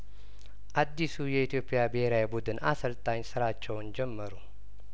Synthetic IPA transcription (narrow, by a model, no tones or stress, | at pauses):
ʔad̪ːisujɛit̪ʰjo̞pʼːijabɨheɾawjbud̪ɨnʔasəlt̪ʼaɲsɨɾat͡ʃːɛwnd͡ʒɛmːəɾu